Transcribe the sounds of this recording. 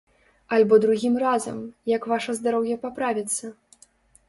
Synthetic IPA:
alʲbɔd̪ɾuɣʲimrazɐ̰mjɐkvaʂɐzd̪aɾɔwjɐpapɾavʲit̪sːɐ

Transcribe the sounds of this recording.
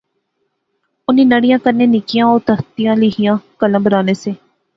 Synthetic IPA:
ʊniːnəɽɪjãːkəɾneːnɪkɪjãːoːɾt̪əɾt̪ijãːlɪɦɪjãːkələ̃bəɾaːneːseː

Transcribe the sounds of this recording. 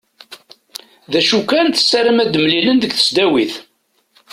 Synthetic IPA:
ðæʃukːænθə̥sːæɾəmæd̪mlilənðəɡθə̥sd̪æwiθ

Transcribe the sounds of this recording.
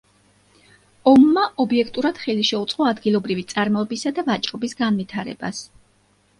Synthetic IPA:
ɔmːaʔɔbiɛkʰt̪ʼuɾad̪̥χɛliʃɛut̪sʼqʼɔad̪ɡilˠɔbɾivit̪sʼaɾmɔɛbisad̪avat͡ʃʼɾɔbisɡanvit̪ʰaɾɛ̰ba̰s

